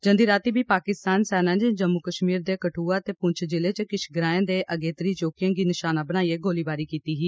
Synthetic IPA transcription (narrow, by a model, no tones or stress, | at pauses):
d͡ʒə̃nd̪iːɾaːt̪iːbiːpaːkɪst̪aːnsɛːnãːt͡ʃd͡ʒəmːʊkəʃmiːɾd̪eːkəʈʰuːaːt̪eːpʊɲt͡ʃʰd͡ʒɪleːt͡ʃəkɪt͡ʃɡəɾaːẽːd̪eːʔəɡeːt̪əɾiːt͡ʃoːkɪjãːɡiːnɪʃaːnaːbənaːieːɡoːliːbaːɾiːkiːt̪iːɦiː